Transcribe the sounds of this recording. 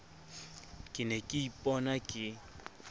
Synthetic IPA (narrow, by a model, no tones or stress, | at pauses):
kʼɪnɛkʼɪipʼɔnakʼɪ